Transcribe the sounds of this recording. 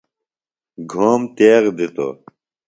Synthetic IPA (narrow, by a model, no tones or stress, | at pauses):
ɡʱoːmt̪eːɣd̪it̪o̰ː